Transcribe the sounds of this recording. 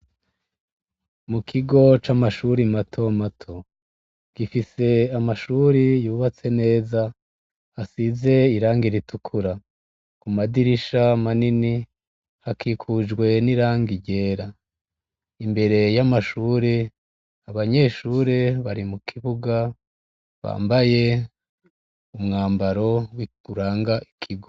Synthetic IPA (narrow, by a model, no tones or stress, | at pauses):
mukʰiɡo̞t͡ʃamaʃuɾimatʰo̞matʰo̞ | ɡ̥ifise̞amaʃuɾijuːβat͡se̞ne̞ːza | hasize̞iɾaːŋɡiɾitukʰuɾa | kumadiɾiʃamanini | hakikʰud͡ʒɡwe̞niɾaːŋɡiɟe̞ːɾa | imbe̞ɾe̞jamaʃuːɾe | aβaɲe̞ːʃuːɾe̞βaɾimukʰiβuɡa | βa̰ːmbaje̞ | umŋaːmbaɾo̞wiɡ̥uɾaːŋɡaʔikʰiɡo